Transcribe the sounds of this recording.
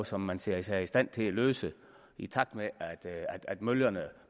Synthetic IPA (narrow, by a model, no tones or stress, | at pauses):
sɒ̽mːænseɐ̰isæisd̥æn̰t͡sʰe̝læløːsə | it͡sʰɑ̈ɡ̥̚d̥meʔæd̥æd̥æd̥møljɐnə